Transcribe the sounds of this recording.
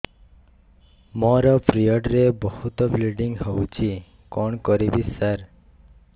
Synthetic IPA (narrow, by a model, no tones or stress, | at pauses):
mɔɾɔpɾijɔʈɾebɔhut̪ɔpliɖiŋɡɦowt͡ʃʰi | kɔɳkɔɾibissaɾ